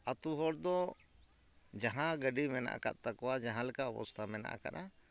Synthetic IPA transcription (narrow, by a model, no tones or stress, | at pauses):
at̪uɦɔɽd̪ɔ | d͡ʒaɦãɡəɖimɛna̰ʔa̰ka̰t̪̚t̪akɔwad͡ʒaɦãlɛkaɔpɔ̰st̪ʰamɛna̰ʔa̰ka̰ɾa